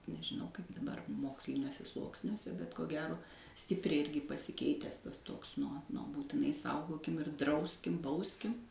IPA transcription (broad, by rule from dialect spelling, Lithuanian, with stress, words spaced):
nʲɛʒʲɪˈnɐʊ kɐɪp dɐˈbɐr ˈmoːksʲlʲɪnʲuɔsʲɛ ˈslˠuɔksʲnʲuɔsʲɛ bʲɛt koː ˈɡʲæːroː ˈsʲtʲɪpʲrʲɛɪ ˈɪrʲɡʲɪ pɐsʲɪˈkʲɛɪtʲɛs ˈtɐs ˈtoːks ˈnuɔ ˈnuɔ buːtʲɪˈnɐɪ ˈsɐʊɡoːkʲɪm ɪr ˈdrɐʊsʲkʲɪm ˈbɐʊsʲkʲɪm